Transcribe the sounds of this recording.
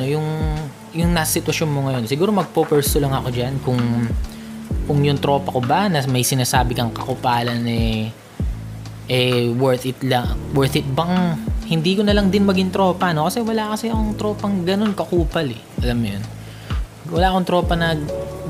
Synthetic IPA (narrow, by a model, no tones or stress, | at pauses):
ojʊŋ | jʊŋnaːsɐsɪt̪wɐʃo̞nmoŋɐjo̞nsɪɡuːɾo̞mɐɡ̚popɛɹst̪ʊlɐŋɐko̞d͡ʒankʊŋ | kʊŋjʊŋt̪ɾo̞ːpɐko̞bɐnɐmɐjsɪnaːsaːbɪkɐŋkɐkʊpaːlɐnɛ | ʔɛwɛɹt̪ɪt̪lɐwɛɹt̪ɪt̪̚bɐŋhɪnd̪iːkonɐlɐŋd̪ɪnmɐɡɪŋt̪ɾo̞ːpɐno̞kɐsɛwɐlakɐsɛɐko̞ŋt̪ɾo̞ːpɐŋɡɐno̞nkɐkuːpɐlɛ | ʔɐlamːʊjon | wɐlaːʔɐkoŋt̪ɾo̞ːpɐnɐ